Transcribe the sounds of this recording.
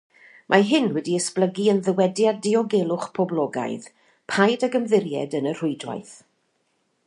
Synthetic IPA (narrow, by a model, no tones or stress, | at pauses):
mʔaɦɪnwɛdiəspləɡiənðəwɛdjadɪɔɡelˠʊχpʰɔblˠɔɡa̰jð | pʰajdaɡəmðɪɾjɛ̰dənər̥ʊɨdwa̰jθ